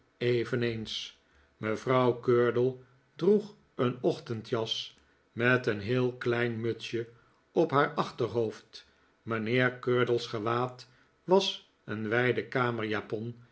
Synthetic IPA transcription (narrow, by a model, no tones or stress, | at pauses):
ejvənejns | məvrɑwkøːɹdəlˠ | druχ | ənɔχtəntjɑs | mɛtənɦɪːlˠklɛjnmøtsjə | ɔpɦaːɹɑχtəɹɦowft | ʋɑnɪːɹkøːɹdəl̩ˠsχəʋaːt | ʋɑs | ənʋɛjdəkaːməɹjaːpɔn